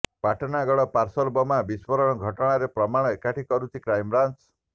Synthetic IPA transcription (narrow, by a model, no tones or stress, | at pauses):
paʈɔnaɡɔɽɔpaɾsɔlbɔmabispɔɾɔɽ̃ɔɡʱɔʈɔɽ̃aɾepɾɔmaɽ̃ɔekaʈʰikɔɾut͡ʃʰikɾajmɾant͡ʃ